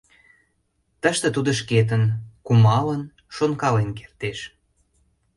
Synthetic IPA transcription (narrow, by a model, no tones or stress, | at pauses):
t̪əʃt̪ə̆t̪ud̪ŏʃ̬ket̪̬ənkumɑlən | ʃonkɑlenkert̪eʃ